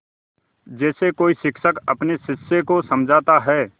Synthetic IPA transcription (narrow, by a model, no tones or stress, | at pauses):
d͡ʒɛːsekoːiʃɪkʃəkɐ̰pneʃɪsekosɐmd͡ʒʱaːt̪aɦɛː